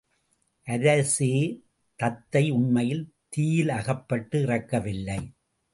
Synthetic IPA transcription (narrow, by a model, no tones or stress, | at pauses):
ʔɐɾɐseː | t̪ɐt̪ːɐɪʊɳmɐjɪl | t̪iːjɪlɐɣɐpːɐʈːɯɪrɐkːɐʋɪlːɐɪ